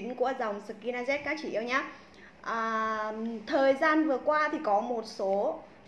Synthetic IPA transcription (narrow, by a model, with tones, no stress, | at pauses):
ŋku˧˩əza˨˩wŋ͡msɨ˨˩kːi˧naː˧zɛ˦˥t̚kaː˦˥k̚t͡ɕḭ˧˩ʔi˧ə˧wɲaː˨˦ | ʔəː˨˩ | t̪ʰəː˨˩jzaː˧nvɨ˨˩əkwaː˧t̪ʰi˨˩kɔ˨˦mo˨˩t̚so˨˦